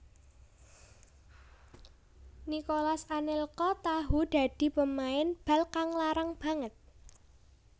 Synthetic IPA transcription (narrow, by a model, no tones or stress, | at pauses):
nikolasanɪlkɔt̪aɦud̪̥a̤d̪̥i̤pəmaɪnb̥a̤lkaŋlaɾaŋb̥ä̤ŋət̪̚